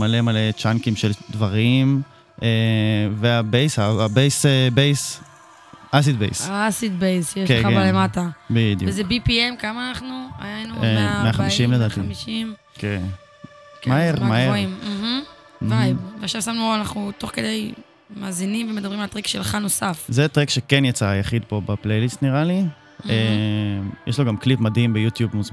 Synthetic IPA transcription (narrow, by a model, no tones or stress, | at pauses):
malemalet͡ʃankimʃeld̪vaʁim | eveabejshabejsebejs | as̬id̪bejsaasid̪bejsjeʃkeabalematabid̪j̰uvezebipiemkamaːnaχnua̰janumeameaχaaiʃimled̪aːt̪imiʃim | ken | kmmaeʁmaeimm̩ɦ̩ | vajveaχʃavsamnuanaχnut̪o̞χke̞d̪ej | maːzinimvemed̪aɐbʁimalt̪ʁekʃelχano̞safzet̪ʁekʃekenjat͡sajaχid̪̚po̞baplejlist̪niʁali | emjeʃloɡamklipmad̪himbejut̪jubmuz